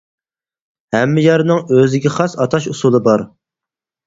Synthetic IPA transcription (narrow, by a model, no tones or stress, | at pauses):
hɛmːɪjɑɾnɨŋøzɪɡʲɛχɑsɑt̪ʰɑʃusulˠɨbɑɾ